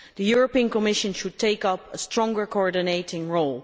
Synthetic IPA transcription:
ðəjuɹəpĩə̃nkəmɪʃə̃nʃʊd̚tʰeɪkʌpəstʰɹ̥ɔ̃ŋɡə˞koɔɹdɪneɪtɪ̃ŋɹoʊlˠ

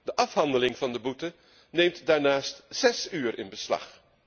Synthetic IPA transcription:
d̥əʔɑfɦɑndəlɪŋvɑndəbutə | nejmtdaːɹnaːstz̥ɛsyːɾʔɪ̰nbəslɑ̰χ

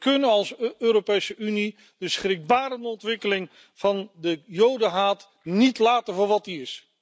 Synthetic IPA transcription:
kɵnənɑlˠsøːɾopejsəʔyni | d̥əsχrɪk̚baːɾənɔntʋɪkəlɪŋ | v̥ɑndəjowdəɦaːt | nitlaːtənvʊːɹʋɑt̚diɪs

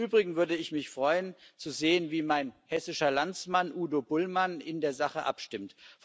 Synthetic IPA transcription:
yːbʁɪɡŋ̩vʏɐdəɪçmɪçfʁ̥ɔʏənt͡suzeːənviːmaɪnhɛsɪʃɐlant͡smanʔuːdobʊlmanɪndeːɐzaχəʔa̰pʃtɪmtf

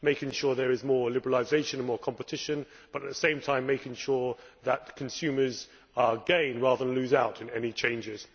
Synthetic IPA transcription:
meɪkɪ̃ŋʃɔːɹðəɹɪzmɔːɹlɪbəɹəlˠaɪzeɪʃə̃nə̃nmɔːɹkʰɒ̃mpətʰɪʃə̃n | b̥ʌɾət̪̚ðəsẽɪ̃mtʰãɪ̃mːeɪkɪ̃ŋʃɔːɹðət̚kʰə̃nsʉːməz̥ | ɡẽɪ̃nɹɑːðəðənlʉːzaʊtʰɪ̃nɛnit͡ʃʰẽɪ̃nd͡ʒɪz̥

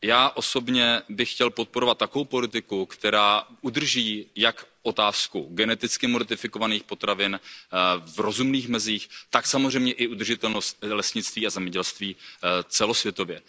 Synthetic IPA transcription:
jaːʔo̞so̞bɲɛbɪxxcɛlpo̞t̪̚poɾo̞vat̪ːakovowpo̞lɪt̪ɪkukt̪ɛɾaːʔud̪r̩ʒiːjakʔo̞t̪aːskuɡɛnɛt̪ɪt͡skɪmoɾt̪ɪfɪko̞vaniːxpo̞t̪ɾavɪn | vɾo̞zumniːxmɛziːxt̪aksamozr̝ɛjmɲɛʔɪud̪r̩ʒɪt̪ɛlnost̪̚lɛsɲɪt͡st̪viːazɛmɲɛɟɛlst̪viːt͡sɛlo̞svjɛt̪o̞vjɛ

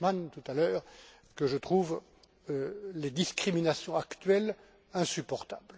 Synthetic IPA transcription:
mant̪ut̪alœːʁ | kəʒət̪χuv | led̪iskχiminasjɔ̃akt̪ɥɛl | ɛ̃sypɔʁt̪abl

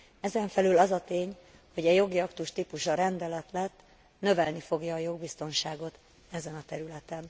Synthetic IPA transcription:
ɛzɛɱfɛlylɒzɒt̪eːɲ | ho̞ɟɛjo̞ɡiɒkt̪uʃt̪ipuʃɒɾɛnd̪ɛlɛt̪lɛt̪ː | nø̞vɛlnifo̞ɡjɒːjo̞ɡ̚bist̪o̞nʃaːɡo̞t̪ | ɛzɛnɒt̪ɛɾylɛt̪ɛn

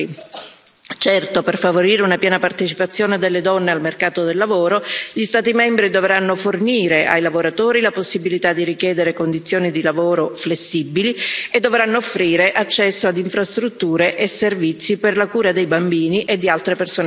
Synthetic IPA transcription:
i | t͡ʃɛrt̪operfavoɾiːɾeunapjɛːnapart̪et͡ʃipat̪sːjoːned̪elːed̪ɔnːealmerkaːt̪od̪elːavoːɾoʎist̪aːt̪imɛmbɾid̪ovɾanːoforniːɾeʔa̰jlavoɾat̪oːɾilaposːibilit̪ad̪ːiɾikjɛːd̪eɾekond̪it̪sːjoːnid̪ilavoːɾoflesːibːilied̪ːovɾanːoːfːɾiːɾeʔat͡ʃːɛsːoad̪iɱfɾast̪ɾut̪ːuːɾeʔeservit̪sːiperlakuːɾad̪ejbambiːniʔed̪ːialt̪ɾepersoːn

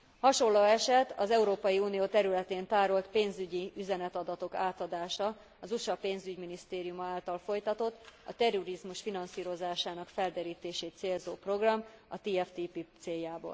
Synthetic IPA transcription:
hɒʃo̞lːoːɛʃɛt̪ɒzɛuɾoːpɒjiuːnijoːt̪ɛɾylɛt̪eːnt̪aːɾolt̪peːnzyɟiyzɛnɛt̪ɒd̪ɒt̪o̞kaːt̪ɒd̪aːʃɒ | ɒzuʃɒpeːnzyɟminist̪eːɾijumɒaːlt̪ɒlfo̞jt̪ɒt̪o̞t̪ːɒt̪ɛroɾizmuʃfinɒnsiːɾo̞zaːʃaːnɒkfɛld̪ɛɾiːt̪eːʃeːt̪t̪seːlzoːpro̞ɡrɒmɒt̪iːɛft̪ipit̪seːjːaːbo̰ːl

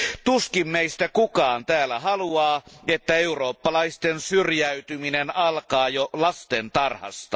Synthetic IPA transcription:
t̪uskimmeist̪ækukɑːnt̪æːlːˑæhɑluɑːet̪ːæeuroːpːɑlɑist̪ensyrjæyt̪yminenɑlkɑːjolɑst̪ent̪ɑrhɑ̰st̪ɑ

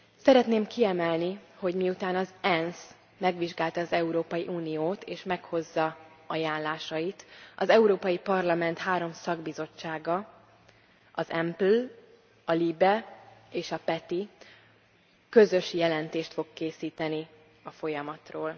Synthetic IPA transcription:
sɛɾɛt̪neːmkiɛmɛlniho̞ɟmiut̪aːnɒzɛns | mɛɡʋiʒɡaːlt̪ɒːzɛuɾoːpɒjiʔuːnijoːt̪eːʃmɛkho̞zːɒ | ɒjaːnlaːʃɒjit̪ʔɒzɛuɾoːpɒjipɒrlɒmɛnt̪haːɾo̞msɒɡbizo̞t͡ʃːaːɡɒ | ʔɒzɛmpl | ɒlibɛeːʃɒpɛt̪i | kø̞zø̞ʃjɛlɛnt̪eːʃt̪fo̞kkːeːsiːt̪ɛni | ɒfo̞jɒmɒt̪roːl

